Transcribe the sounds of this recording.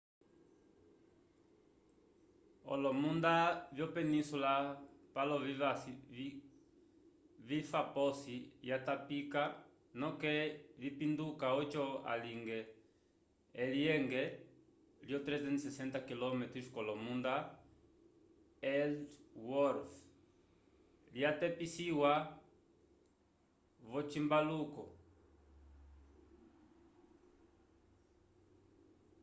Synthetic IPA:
o̰lomũnd̪aβjopenĩnsulapaloβia | βifaposijat̪apika | nõkeβipind̪ukaot͡ʃoa̰liŋɡe | eljeŋɡe | ljot̪ɾɛzɛnsesent̪akilɔmet̪ɾuskɔlɔmũnd̪a | elwɔɾf | ljat̪ɛpisiwa | βɔt͡ʃimbalukɔ

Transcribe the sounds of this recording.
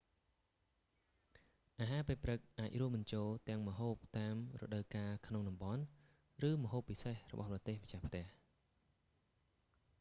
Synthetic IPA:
ʔaːɦaːpeːprɨk̚ʔaːc̚ruəm̚ɓɨnt͡ɕoːlt̪ɛ̆əŋmə̆ɦoːp̚t̪aːmrɔ̰ɗəwkaːkʰnoŋɗɑmɓɑn | rɨːməɦoːpːisehrɔ̰ɓɑ̰hprɑt̪eːhməct͡ɕahpʰt̪ɛ̆əh

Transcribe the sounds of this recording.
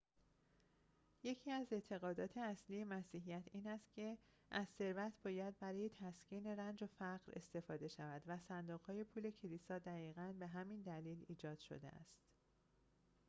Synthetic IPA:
je̞cʰiːæze̞t̪ʰe̞ɣɒːd̪ɒːt̪ʰe̞æsliːje̞mæsiːɦijæt̪ʰiːnæst̪̚cʰe̞ | ʔæzse̞ɾvæt̪ʰbɒːjæd̪̚bæɾɒːje̞t̪ʰæscʰiːne̞ɾænd͡ʒofæʁɾe̞̰st̪e̞fɒːd̪e̞ʃævæd̪væsænd̪oɣhɒːje̞pʰuːle̞cʰe̞liːsɒːd̪æɣiːɣænbe̞ɦæmind̪æliːliːd͡ʒɒːd̪̥ʃo̰d̪ḛʔæ̰st̪

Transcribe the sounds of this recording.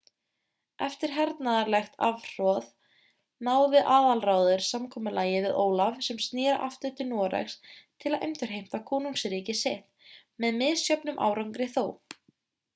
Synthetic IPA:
ɛft̪ɪɾ̥ɦɛɾt̪naðaɾlɛxt̪avr̥ɔːð | naːwvɪʔaːðalraːwðʏɾ̥samkʰɔːmʏlaːjɪvɪðʔoːwlavsɛmst̪nɪːɾa̰ʔa̰ft̪ʏt̪ɪnɔːɾɛ̰xst̪ʰɪlaðʔḛjmt̪ʏɾ̥ɦejm̥t̪akʰɔːnuŋsɾiːcɪsɛht̪ | mɛðmɪðsjœpnʏmʔa̰ːwɾawŋkɾɪθoːw

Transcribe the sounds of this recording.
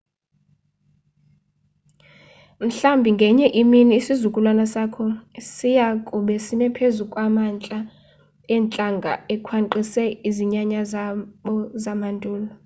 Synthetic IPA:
m̩ɬambʱiŋɡʱɛɲɛʔiminiːsizukʼulwanasakʰɔsijakʼuɓɛsinɛpʰezukʼwamant͡ɬʼa | ɛːnt͡ɬʼaŋɡʱa̰ɛkʰwaǃisɛiziɲaɲazaɓɔzamandʱuːlɔ

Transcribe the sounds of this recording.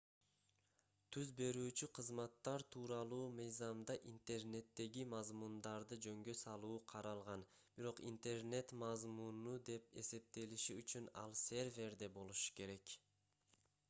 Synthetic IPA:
t̪ʰyzbe̞ɾyːt͡ʃyqʰɯzmɑt̪ːɑɾt̪ʰuːɾɑlˠuːmɯjzɑmd̪ɑʔint̪e̞rne̞t̪ːe̞ɡimɑzmund̪ɑɾd̪ɯd͡ʒø̞ŋɡø̞sɑlˠuːqʰɑɾɑlˠʁɑn | b̥iɾo̞qḭnt̪e̞rne̞t̪mɑzmunud̪e̞p̚e̞̰se̞p̚t̪e̞liʃiyt͡ʃynɑ̰lˠse̞ɾvʲe̞ɾd̪e̞bo̞lˠuʃu̥ke̞ɾe̞k

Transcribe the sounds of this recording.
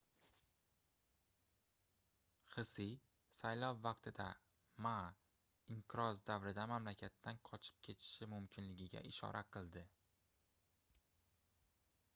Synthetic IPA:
χɨsij | sajlˠɒwːɑq̚t̪ʰɪd̪a | ma | ɪɴqɨɾɒzd̪avɾɪd̪amamlakʲʰat̪ʰːanqʰɒt͡ʃʰɪ̥p̚kʲʰe̞t̪ʰɪ̥ʃɪmʊmkʲʰɪnlɪɡʲɪɡʲa̰ʔɪʃɒ̰ɾʔaqʰɨlˠd̪ɪ

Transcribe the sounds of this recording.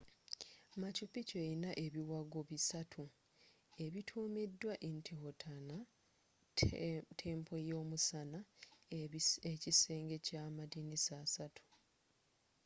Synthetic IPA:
macupiceinaʔe̞βiwaɡoβisatʰu | e̞βitʰuːmidːwaʔentʰeho̞tʰana | tʰe̞ːmpʰo̞jo̞ːmusana | ecise̞ːŋɡe̞caːmadinisaːsatʰu̥

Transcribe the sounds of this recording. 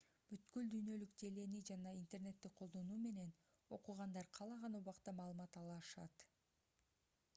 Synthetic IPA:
b̥yt̪kyld̪yjnø̞lykd̪e̞le̞nid͡ʒɑnɑint̪e̞rne̞t̪ːik̚qʰo̞lˠd̪o̞nuːme̞ne̞n | o̞quʁɑnd̪ɑɾqʰɑlˠɑʁɑnuβɑqt̪ɑmɑːlˠɯmɑt̪ɑlˠɑʃɑ̰t̪

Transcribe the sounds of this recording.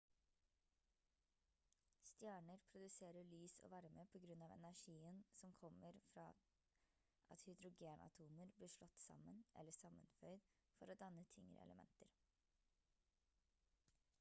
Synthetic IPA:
st̪jæːɳəɾpʰɾʊd̪ʉseːɾəɭyːso̰ːʋɑɾməpʰoːɡɾʉnɑːʋɛ̰næʂiːənsɔmkʰɔməɾfɾɑ̰ː | ʔɑt̪hʏd̪ɾʊɡeːnʔɑ̰t̪ʰuːməɾbliːʂlɔt̪ːsɑ̰mənʔɛ̰ləsɑmənfœʏd̪ | fɔɾoːd̪ɑnət̪ʰɪŋə̰ɾɛ̰lʔəmɛ̰nt̪əɾ

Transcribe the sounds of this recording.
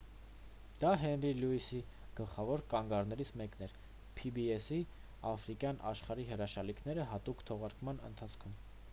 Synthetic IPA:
d̪̥ɑɦɛnriluisi | ɡ̥əlχɑvɔɾkɑŋɡɑɾnɛɾit͡sʰmɛkn̪ɛɾ | pʰibiɛsi | ɑfɾikjɑnʔɑ̰ʃχɑɾiɦəɾɑʃɑlikʰn̪ɛɾəɦɑt̪ukt̪ʰɔʁɑɾkmɑnə̰nt̪ʰɑt͡sʰkʰum

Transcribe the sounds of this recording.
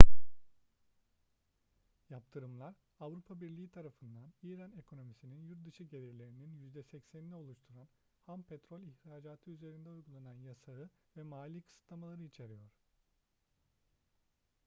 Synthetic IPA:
jap̚t̪ʰɯɾɯmlˠaɾ | avɾupʰabiɾlʲiːit̪ʰaɾafɯnd̪aniːɾanekʰo̞no̞misininjuɾt̪̚d̪ɯʃɯɟe̞lʲiɾlʲe̞ɾininjyzd̪ɛsɛcsænlʲio̞lˠuʃt̪ʰuɾan | hampʰet̪ɾolʲiçɾaːd͡ʒaːt̪ʰɯyze̞ɾind̪ɛujɡulˠananjasaɯvɛmaːlʲiːkʰɯ̥sɯ̥t̪lˠamalˠaɾɯit͡ʃʰe̞ɾijo̞ɾ̥

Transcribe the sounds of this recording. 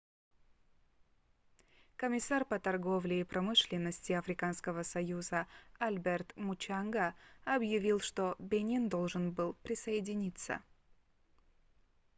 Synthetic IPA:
kəmʲɪsarpət̪ɐrɡo̞vlʲɪːpɾɐmɨʂlʲɪnːəsʲtʲɪɐfɾʲɪkanskəvəsɐjuzəɐlʲbʲert̪mʊt͡ɕanɡəɐbjɪvʲilˠʂt̪obʲenʲind̪o̞lˠʐɨnbɨlˠpɾʲɪsəɪdʲɪnʲit̪sə̰

